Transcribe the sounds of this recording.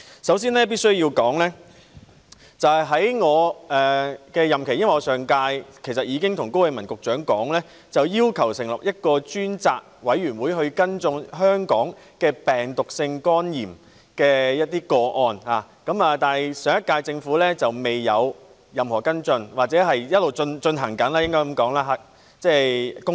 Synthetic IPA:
sɐ˨˥wsiː˥nlɛː˥p̬i˥tsɵ˥ɥjiː˧wkɔː˨˥ŋlɛː˥ | t͡sɐ˨hjɦɐ˨˥jŋɔː˨˧ɛː˨kɛː˧jɐ˨mkʰe˨˩jɐ˥nwɐ˨jɔ˧sœː˨ŋkaː˧jkʰe˨˩sɐ˨t̚jiː˨˧kɪ˥ŋt̪ʰʊ˨˩ŋko˥wɐ˨˧jmɐ˨˩nkʊ˨k̚t͡ʃœː˨˥ŋkɔː˨˥ŋlɛː˥ | t͡sɐ˨wjiː˥wkʰɐ˨˩wsɪ˨˩ŋlɐ˨˩p̚jɐ˥t̚kɔː˧t͡ʃyː˥nt͡saː˨k̚wɐ˨˥jɥyː˨˩nwuː˨˧jɦɵ˧ɥkɐ˥nt͡sʊ˧ŋɦœː˥ŋkɔ̰ː˨˥ŋ | kɛː˧pɛː˨˩ŋt̪ʊ˨k̚sɪ˧ŋkɔː˥njiː˨˩m | kɛː˧jɐ˥t̚t̪iː˥kɔː˧ʔɔː˧nhaː˨˩ | kɐ˨˥maː˨t̪aː˨n˨jsœː˨ŋɐ˥t̚kːaː˧jt͡sɪ˧ŋfuː˨˥lɛː˥t͡sɐ˨wme˨jːɐ˨˧w | jɐ˨mhɔː˨˩kɐ˥nt͡sɵ˧nwaː˨˩t͡sɛː˨˥ɦɐ˨jjɐ˥t̚lo˨˩wt͡ʃɵ˧nt͡ʃɵ˧nɦɐ˨˩ŋkɐ˨˥nlaː˥jɪ˥ŋkɔː˥jkɐ˨˧mkɔː˨˥ŋlaː˧ɦa˧˩ | t͡sɛː˥˩kʊ˥

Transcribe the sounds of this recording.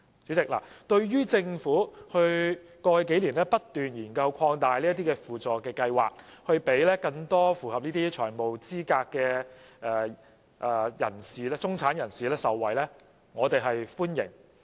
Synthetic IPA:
t͡sy˨˥t͡sɪ˨k̚la̰˨˩t̪ɵ˧ɥɥyː˥t͡sɪ˧ŋfuː˨˥hɵ˧ɥkɔː˧jke˨˥jliː˨˩nlɛː˥pɐ˥t̚t̪yː˨njiː˨˩nkɐ˧wkʰɔː˧ŋt̪aː˨jliː˥ɐ˥t̪iː˥kɛː˧fuː˨˩t͡sɔː˨kɛː˧kɐ˧jwa̰ː˨k̚hɵ˧ɥpe˨˥jlɛː˥kɐ˧ŋt̪ɔː˥fuː˨hɐ˨p̚niː˥t̪iː˥t͡ʃʰœː˨˩mo˨wt͡siː˥kaː˧kːɛː˧ | ʔɛː˨˧ | ʔːjɐ̰˨˩nsiː˨lɛː˥t͡sʊ˥ŋt͡sʰaː˨˥njɐ˨˩nsiː˨˩lɛː˥sɐ˨wːɐ˨jlɛː˥ | ŋɔː˨˧t̪e˨jɦɐ˨jfuː˥njɪ̰˨˩ŋ

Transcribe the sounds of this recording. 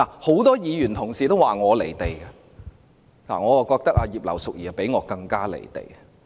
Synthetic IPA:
laː˨˩ho˨˥wt̪ɔː˥jiː˨˧jyː˨˩nt̪ʰʊ˨˩ŋsiː˨t̪o˥waː˨ŋɔː˨˧le˨˩jt̪e˨jɡɐ˧ | la̰ː˨˩ŋɔː˨˧wa˨˧kɔː˧k̚t̪ɐ˥k̚ʔaː˧jiː˨p̚lɐ̰˨˩wsʊ˨k̚jiː˨˩˨pe˨˥jŋɔː˨˧kɐ˧ŋkaː˥lḛ˨˩jt̪ḛ˨˩j

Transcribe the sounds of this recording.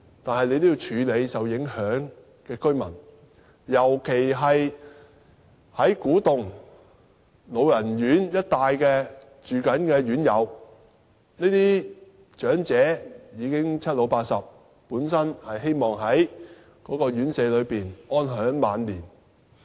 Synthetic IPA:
t̪aː˨nhɐ˨jlne˧jt̪o˥jiː˧wt͡ʃʰyː˨˧le˨˧jsɐ˨wjɪ˨˥ŋhœː˨˥ŋ | kɛː˧kɵ˥ɥmɐ˨˩n | jɐ˨˩wkʰe˨˩jɦɐ˨j | hɐ˨˥jkuː˨˥t̪ʊ˨ŋ | lo˨˧wjɐ˨˩njyː˨˥njɐ˥t̚t̪aː˨jkɛː˧ | t͡ʃyː˨kɐ˨˥nkɛː˧ɥyː˨˥njɐ˨˧w | niː˥t̪iː˥ | t͡ʃœː˨˥ŋt͡sɛː˨˥jiː˨˧kɪ˥ŋt͡sʰɐ˥t̚lo˨˧wpaː˧t̚sɐ˨p̚ | puː˨˥nsɐ˥nhɐ˨jɦe˥jmɔː˨˩ŋɦɐ˨˥j | kɔː˨˥kɔː˧ɥyː˨˥nsɛː˨˧lɵ˨˧ɥpiː˨nʔɔː˥nɦœː˨˥ŋmaː˨nliː˨˩n

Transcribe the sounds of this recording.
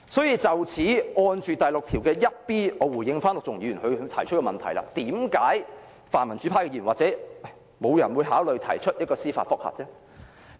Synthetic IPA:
sɔː˨˥jiː˨˧t͡sɐ˨wt͡sʰiː˨˥ŋɔː˧nt͡ʃyː˨t̪ɐ˨jlʊ˨k̚t̪ʰiː˨˩wkɛː˧jɐ˥t̚piː˥ŋɔː˨˧wuː˨˩jɪ˧ŋfaː˥nlʊ˨k̚t͡sʊ˨˩ŋjiː˧˥jyː˨˩nhɵ˨˧˨t̪ʰɐ˨˩jt͡ʃʰɵ˥t̚kɛː˧mɐ˨nt̪ʰɐ˨˩jla̰ː˧t̪iː˨˥mkaː˨˥j | faː˨˩nmɐ˨˩nt͡syː˨˥pʰaː˥kɛ˧iː˧˨˩waː˨t̚t͡sɛː˨˥˩ | mo˨˧wjɐ˨˩nwuː˨˧jɦaː˨˥wlɵ˨ɥt̪ʰɐ˨˩jt͡ʃʰt̚jɐ˥t̚kɔː˧siː˥fa̰˧t̚fʊ˥k̚hɐ̰ː˨t̚t͡sɛː˥

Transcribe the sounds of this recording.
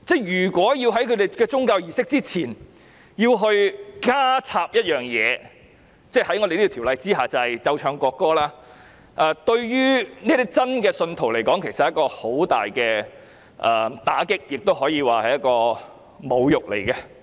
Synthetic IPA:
t͡sɛ˥˩jyː˨˩kwɔː˨˥jiː˧wɦɐ˨˥jkʰɵ˨˧d̪e˨jkɛː˧t͡sʊ˥ŋkaː˧wjiː˨˩sɪ˥k̚t͡siː˥t͡sʰiː˨˩n | jiː˧wɦɵ˧ɥkaː˥t͡sʰaː˧p̚jɐ˥t̚jœː˨˩ŋjɛː˨˧ | t͡sɛː˥˩hɐ˨˥jŋɔː˧de˨j̪t̪ʰːlɐ˨˧jt͡siː˥ɦaː˨t͡sɐ˨hɐ˨˩jt͡sɐ˧wt͡ʃʰœː˧ŋkɔː˧kːɔː˥laː˥ | ʔɛ˧t̪ɵ˧ɥjyː˥niː˥t̪i˥t͡sɐ˥nkɛː˧sɵ˧nt̪ʰo˨˩wle˨˩jkɔː˨˥ŋkʰe˨˩jsɐt̚ɐ˦ɐ˥kːɔː˧ho˨˥wt̪a̰ː˨jkɛː˧ | ʔɛː˨˩t̪a̰ː˨˥kɪ˥k̚jɪ˨k̚t̪o˥wɦɔː˨˥jiː˧waː˨˩hɐ˨jɐ˥kɔː˧ | mo˨˧wjʊ˨k̚lḛ˨˩jkɛ˧

